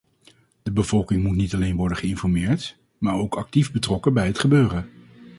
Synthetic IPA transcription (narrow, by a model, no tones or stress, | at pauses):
d̥əbəvɔlˠkɪŋmutnitɑlejnʋɔɹdəχəɪnfɔɹmɪːɹt | maːɹowkɑk̚tivbətrɔkəbɛjɦətχəbøːrə